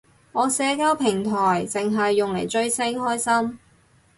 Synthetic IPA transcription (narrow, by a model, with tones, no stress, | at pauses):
ŋɔː˨˧sɛː˨˥kaː˧˥wpʰɪ˨˩ŋt̪ʰɔː˨˩jt͡sɪ˨ŋɦɐ˨jːʊ˨ŋle˨˩jt͡ʃɵ˧ɥsɪ˥ŋɦɔː˥jsɐ˥m